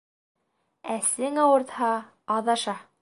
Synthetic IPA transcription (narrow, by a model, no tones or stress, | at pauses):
æsɘŋɑwɤ̆ɾt̪hɑː | ðɑʃɑ